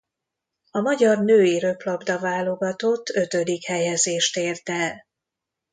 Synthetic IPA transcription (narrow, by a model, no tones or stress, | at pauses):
ɒmɒɟɒrnøːiɾøplɒbd̪ɒvaːlo̞ɡɒt̪ot̪ʰːø̞t̪ø̞d̪ikhɛjɛzeːʃt̪eːrt̪ɛl